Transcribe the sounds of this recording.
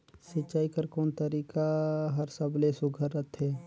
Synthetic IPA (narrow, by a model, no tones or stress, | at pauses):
sɪtːt͡ʃaːikəɾkɔːnt̪əɾiːkaɦɐɾsəblesʊɡʱəɾət̪ɦɛː